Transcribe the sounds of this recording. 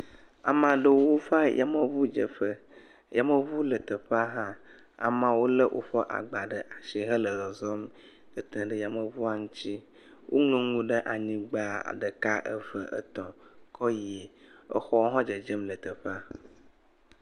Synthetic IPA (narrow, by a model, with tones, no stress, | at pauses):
a̰˨mã˨ɖə˦wo˦fa˦jʔa̰˦mə˨vu˦d͡ʒə̰˨ɸə˦ | ja˨mə˦vu˦lə˨t̪ə˨ɸa˦ɦã˦ | a̰˨mã˨˦wo˦lə˦ʔo̰˦ɸɔ˦ʔa̰˨ɡ͡ba˨ɖə˨ʔa˨ʃi˨ɦə˦lə˨ɣə˨zɔ˦m | kə˨t̪ə̃˨ɖə˦ja˨mə˨vu˦a˨ŋũ˦t͡ɕi˦ | wʔo˦ŋlõ˦ŋũ˨ɖə˦ʔa˨ɲĩ˦ɡ͡ba˨a̰˨ɖə˨ka˦ʔə˦və˨ʔə̰˦t̪ɔ̃˨kɔ˦je˨ə̰˦xɔ˦wo˦ɦɔ̃˦d͡ʒə˨d͡ʒə˦mlə˨t̪ə˨ɸa˦